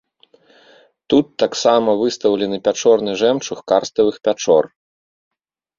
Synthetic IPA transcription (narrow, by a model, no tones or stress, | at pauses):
t̪ut̪ːaksamɐvɨst̪ɐwlʲɛnɨpʲat͡ʂɔrnɨʐɛmt͡ʂuxkarst̪ɐvɨxpʲat͡ʂɔ̰r